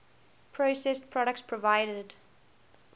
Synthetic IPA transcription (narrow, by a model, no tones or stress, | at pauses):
pʰɹosɛspʰɹɔɾək̚tspʰɹɔvaɪɾəd